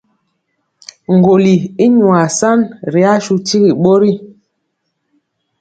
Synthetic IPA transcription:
ŋ̩˨ɡo˨li˨i˦ɲu˨a˨sa˦nɾi˨a˦ʃu˦ti˦ɣi˨ɓo˦ɾi˦

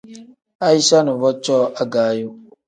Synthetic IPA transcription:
a˦i˦sa˦nʊ˨vɔ˦t͡ʃɔː˦ʔa˦ɡaː˨˦ju˦

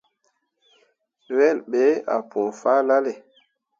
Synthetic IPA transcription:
wɛ˦˨lɓe˨˦a̰˨pʰɔ̃˨fa˦la˦le˨

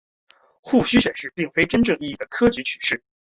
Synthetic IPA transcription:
xu˥˩ɕy˥ɕɥɛ˨˩nʂɻ̩˥˧pi˥˩ŋfe˥ɪʈ͡ʂə˥nʈ͡ʂɤ˥˧ŋi˥˧i˥˩d̪ə˩kʰɤ˥t͡ɕy˧˥t͡ɕʰy̥˨˩ʂɻ̩˥˩

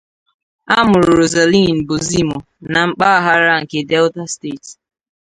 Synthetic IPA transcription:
a˦mʊ˨ɾʊ˨ɾo˨za˨li˦˨n̩˨bʊ˨zi˦mo˨ | na˨ŋ͡m̩˦k͡pa˦a˦ɦa˦ɾa˦ŋ̩˨ke˨dɛ˦lta˦ste˦˨t

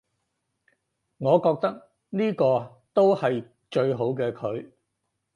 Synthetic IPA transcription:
ŋɔː˨˧kɔː˧k̚t̪ɐ˥k̚ | niː˥kɔː˧ | t̪o˥whɐ˨j | t͡ʃɵ˧ɥɦo˨˥wkɛː˧kʰɵ˨˧ɥ

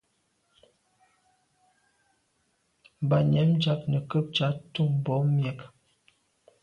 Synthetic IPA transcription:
ba˨ɲɛ˨˦md͡ʒa˨˦k̚nə˨kə˦p̚t͡ʃa˨˦tu˦˨m˨bɔ˨˦mjɛ˨k

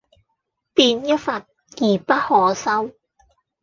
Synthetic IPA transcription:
piː˧njɐ˥t̚fɐ˨t̚ | jiː˨˩pɐ˥t̚hɔː˨˧sɐ˥w

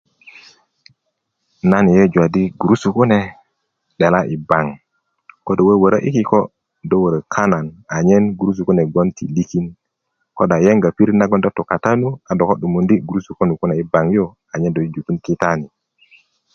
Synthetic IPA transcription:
na˦ni˨je˦d͡ʒwa˨di˦ɡu˨ɾu˦su˨ku˦ne˨ | ɗe˨la˦ʔi˨ba˨ŋ | ko˦do˨we˦wə˨ɾə˦ʔḭ˦ki˦ko˦ | do˦wə˨ɾə˨kʰa˦na˨na˨ɲe˦nɡu˨ɾu˦s̬u˨ku˦ne˨ɡo˦ntʰḭ˨li˦ki˦n | ko˦ɗa˨je˦ŋɡa˨pi˦ɾi˦na˦ɡo˦ndo˦to˨ka˨ta˦nu˦a˨do˨ko˦ɗu˨mu˨ndi˦ɡu˨ɾu˦su˨ko˦nu˨ku˦ne˨i˨˦ba˨ŋjo˦ | a˨ɲe˦ndo˨i˦d͡ʒu˨ku˦nki˦ta˦ni˨

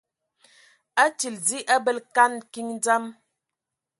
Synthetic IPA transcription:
a˦t͡ʃi˨ld͡zi˦ʔa˦bə˦lka˦nki˦ŋ˦d͡za˦m

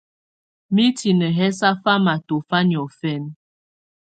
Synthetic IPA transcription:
mi˦ti˨nə˨ɦɛ˦s̬a˦fa˦ma˨to˨fa˦njɔ˨fɛ˦n

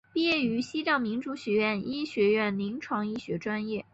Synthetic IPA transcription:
pi˥˧jɛ˥˩y˧˥ɕi˥ʈ͡ʂɑ˥˩ŋmi˧˥ŋʈ͡ʂu˧˥ɕɥɛ˧˥ɥɛ˥˩ni˥ɕɥɛ˧˥ɥɛ˥˩nli˧˥ŋʈ͡ʂʰwɑ˧˥ŋi˥˩ɕɥɛ˧˥ʈ͡ʂwa˥njɛ˥˩

